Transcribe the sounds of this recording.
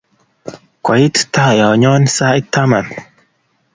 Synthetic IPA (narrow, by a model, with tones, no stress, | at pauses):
kɔ˨ji˦t̪ta˦˨ja˨ɲɔ˦nsa˦i˦t̪a˦ma˨n